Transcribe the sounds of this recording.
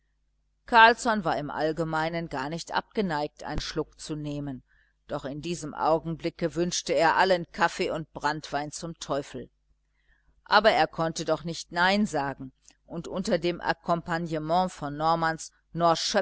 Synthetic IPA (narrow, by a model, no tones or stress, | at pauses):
kʰaɐlsɔnvaːɐɪmʔa̰lɡəmaɪnənɡaːɐnɪçtʔa̰p̚ɡ̥ənaɪk̚tʔa̰ɪnnʃlʊkt͡suneːmən | d̥ɔχɪndiːzəmʔa̰ʊɡŋ̩blɪkəvʏnʃtəeːɐʔalənkʰafeːʊnt̚b̥ʁantv̥aɪnt͡sʊmtʰɔʏfl̩ | ʔaːbɐeːɐkʰɔntədɔχnɪçtnaɪnzaːɡŋ̩ʔʊntʔʊntɐdeːmʔa̰kʰɔmpanjəmɑ̃fɔnːɔɐmans | nɔɐʃœ